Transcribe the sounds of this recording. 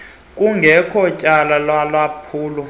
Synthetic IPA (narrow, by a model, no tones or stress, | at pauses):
kʼuŋɡʱɛkʰɔcʼalalwalapʰuːlɔ